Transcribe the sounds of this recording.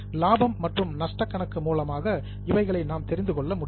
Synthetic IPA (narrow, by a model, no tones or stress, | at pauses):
laːbɐmːɐʈrɯmnɐʂʈɐkːɐɳɐkːɯmuːlɐmaːɣɐ | ɪʋɐɪɣɐɭɐɪnaːmt̪ɛɾɪnd̪ɯkɔɭːɐmʊɽ